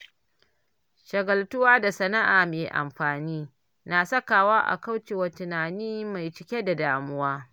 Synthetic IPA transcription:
ʃɐ˨ɡɐ˨ltʊ˦waː˦da˨sɐ˦na˦ʔaː˨meː˨ʔa̰˨mɸaː˨niː˦ | na˨sɐ˦kaː˨waː˦ʔa̰˨ka˦wt͡ʃeː˨wɐ˨tʊ˨naː˨niː˦ma˨jt͡ʃɪ˦kʲe˦da˨daː˦mʊ˦waː˦

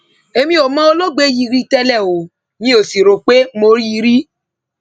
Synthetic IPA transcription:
e˧mĩ˦o˨mã˦o˧lo˦ɡ͡be˦ji˧ɾi˦tɛ˧lɛ˦˨o˨˦ | nĩ˦o˨si˨ɾo˨k͡pe˦mo˧ɾi˦i˧ɾi˦

